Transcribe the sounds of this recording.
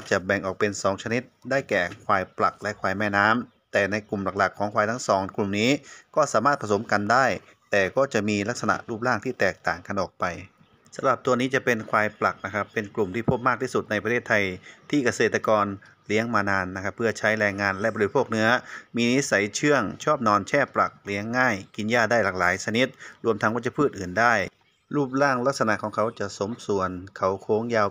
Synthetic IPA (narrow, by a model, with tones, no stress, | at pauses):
kɔ˥˩t͡ɕa˨˩bɛ˨˩ŋʔɔː˨˩k̚pe˧nsɔː˩˦ŋt͡ɕʰa˧ni˦˥t̪̚daː˥˩jkɛː˨˩kʰwaː˧˩jpla˨˩k̚lɛ˦˥ʔkʰwaː˧˩jmɛː˧˥˩naː˦˥m | t̪ɛː˨˩na˧jklu˨˩mla˨˩k̚la˨˩kʰːɔː˩˦ŋkʰwaː˧jt̪ʰa˦˥ŋsɔː˩˦ŋklu˨˩mniː˦˥kɔː˥˩saː˨˦maː˥˩pʰa˧so˩˦mka˧ndaː˥˩j | t̪ɛː˨˩kɔː˥˩t͡ɕa˨˩miː˧la˦˥k̚sa˧na̰˨˩ʔluː˥˩p̚laː˥˩ŋt̪ʰiː˥˩t̪ɛː˨˩k̚t̪aː˨˩ŋka˧nʔɔː˨˩k̚pa˧j | sa˨˧˦mla˨˩p̚t̪u˧ɐniː˦˥t͡ɕa˨˩pe˧nkʰwaː˧jpla˨˩k̚na˦˥kʰa˦˥pːe˧nklu˨˩mt̪ʰiː˥˩pʰo˦˥p̚maː˥˩k̪̚ʰiː˥˩su˨˩t̪̚na˧jp̬a˧t̪ʰeː˥˩t̪ʰːa˧jt̪ʰiː˧˥˩ka˧seː˨˩t̪ːa˧kɔː˧n | li˨˦əŋmaː˧naː˧nːa˧kʰa˦˧˥pʰːɯ˧˩ɐt͡ɕʰa˦˥jlɛː˧ŋːaː˧nlɛ˧˥bɔː˧doː˧pʰoː˥˩ək̚nɯ˦˥ɐmiː˧ni˦˥sa˨˦jt͡ɕʰɯ˥˩əŋt͡ɕʰɔː˥˩p̚nɔː˧nt͡ɕʰɛː˧˥˩pla˨˩k̚li˨˦əŋːaː˥˩jki˧njaː˧˩daː˥˩jlaː˨˩k̚laː˨˦jsa˧ni˧˦˥t̪̚ɾu˧əmt̪ʰa˦˥ŋkɔː˧˩t͡ɕa˧˩pʰɯː˥˩t̪̚ʔɯː˨˩ndaː˥˩j | luː˥˩p̚laː˥˩ŋla˧˥k̚sa˧na˧ʔkʰɔː˨˦ŋkʰa˨˦wt͡ɕa˨˩ʔso˨˦msu˨˩ənkʰa˨˦wkʰoː˧˥ŋjaː˧w